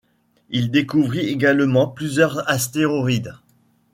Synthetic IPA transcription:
ild̪ekuvʁieɡalmɑ̃plyzjœʁzast̪eʁoʁid̪

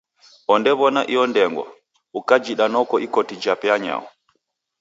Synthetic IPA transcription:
ʔɔndɛβɔnaʔiɔndɛŋɡwa̰ | ukad͡ʒiɗanɔkɔʔikɔtid͡ʒapɛaɲa̰wɔ

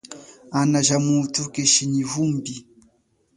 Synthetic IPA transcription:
anaʒamutukeʃiɲivumbi

